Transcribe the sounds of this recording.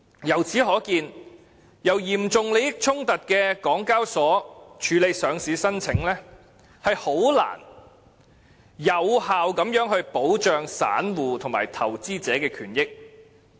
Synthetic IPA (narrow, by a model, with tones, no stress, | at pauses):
jɐ˨˩wt͡sʰiː˨˥ɦɔː˨˥kiː˧n | jɐ˨˩wjiː˨˩mt͡sʊ˨ŋle˨˧jɪ˥k̚t͡sʰʊ˥ŋt̪ɐ˨t̚kɛː˧kɔː˨˥ŋkaː˥wsɔː˨˥t͡ʃʰyː˨˧le˨˧jsœː˨˧ŋsiː˨˥sɐ˥nt͡sʰɪ˨˥ŋlɛː˥ | hɐ˨jho˨˥wla̰ː˨˩n | jɐ˨˧whaː˨wkɐ˨˥mjœː˨˥ŋhɵ˧ɥpo˨˥wt͡ʃœː˨˧ŋsa̰ː˨˥nwuː˨t̪ʰʊ˨˩ŋmaː˨˩jt̪ʰɐ˨˩wt͡siː˥t͡sɛː˨˥kɛː˧kʰyː˨˩njɪ˥k̚